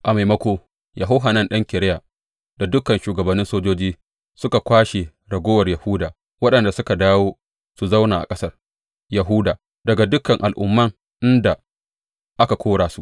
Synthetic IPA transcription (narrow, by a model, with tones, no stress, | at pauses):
ʔa˨ma˨jmɐ˦kʷoː˦ | ja˨ɦa˦wɦaː˨nɐ˦nɗɐ˦ŋkʲɪ˨ɾɪ˦ja˨ | da˨dʊ˦kɐ˨nʃuː˨ɡɐ˨bɐ˨nːɪ˦nsoː˦d͡ʒoː˦d͡ʒiː˦ | sʊ˦ka˨kʷaː˦ʃe˨ | ɽɐ˨ɡʷoː˦wɐ˨rja˨hʊː˦daː˨ | wɐ˦ɗɐ˨nda˨sʊ˦ka˨daː˦woː˦ | su˨za˦wnaː˨ʔa̰˨kʼɐ˦sɐ˦r | jɐ˨ɦu˦daː˨ | dɐ˨ɡa˨dʊ˦kːɐ˨ŋʔa˨lʔʊ̰˦mːɐ˦ŋ | ʔɪ˦nda˨ | ʔa˦ka˨kʷoː˦ɽaː˨su˦ʔ